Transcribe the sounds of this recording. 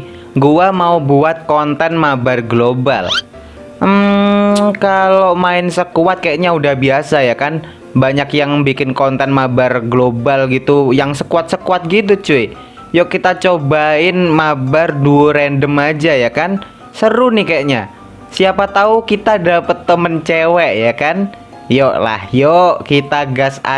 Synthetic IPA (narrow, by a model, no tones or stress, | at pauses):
ɡuamaubuat̪̚kɔnt̪ɛnmabarɡloba̰l | kalomaɪnsəkuwat̪̚kajaʔɲaudahbiasajakan | baɲakjaŋbikɪnkɔnt̪ɛnmabarɡlobalɡit̪ujaŋsəkuat̪̚səkuat̪̚ɡit̪̬ut͡ʃuɪ | jɔʔkit̪at͡ʃobaɪnmabarduuɾɛndəmad͡ʒajakan | səɾunɪhkajaʔɲa | siapat̪aukit̪adapət̪ːəmənt͡ʃewɛʔjakan | jɔʔla̰hjoʔkit̪aɡasa